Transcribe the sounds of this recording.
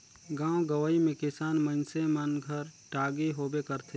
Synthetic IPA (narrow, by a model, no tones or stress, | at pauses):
ɡãːõɡəwaimẽkɪsaːnmə̃nsemənɡʱəɾʈaːɡiɦoːbekəɾt̪ʰe